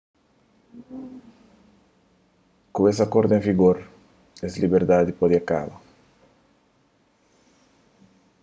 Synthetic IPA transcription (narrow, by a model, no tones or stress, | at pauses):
kuesɐkoɾd̪ẽŋviɡoɾ | eslibeɾd̪ad̪ipod̪iaka̰bɐ